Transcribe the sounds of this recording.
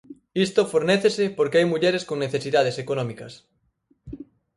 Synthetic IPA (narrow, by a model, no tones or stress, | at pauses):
ist̪ofoɾneθesepoɾkeajmuʎeɾeskoŋneθesiðað̞esekonɔmikɐs